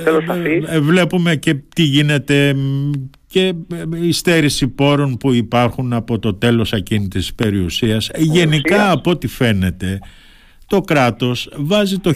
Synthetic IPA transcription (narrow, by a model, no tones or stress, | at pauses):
vle̞pume̞ce̞t̪iʝine̞t̪e̞ | ce̞ist̪e̞ɾisipo̞ɾo̞npuipɐɾxunɐpo̞t̪o̞t̪e̞lo̞sɐcinit̪ispe̞ɾiusiɐsʝe̞nikɐːpo̞t̪ife̞ne̞t̪e̞ | t̪o̞kɾɐt̪o̞svɐzit̪o̞